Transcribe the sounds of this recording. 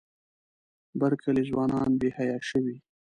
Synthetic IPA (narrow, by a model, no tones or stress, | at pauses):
baɾkʰalizwɑnɑnbehajɑʃəwi